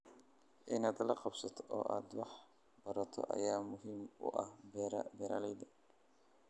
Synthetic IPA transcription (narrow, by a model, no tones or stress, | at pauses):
ʔɪnaːd̪lɐqɑbsɐt̪ʰɔʔɔ̰ːʔa̰ːd̪wɑħ | bɐɾɐt̪ʰɔ̰ʔɐ̰jaːmʊɦiːmʊ̰ʔɐhbɛɾbɛɾaːlɛjd̪ɐ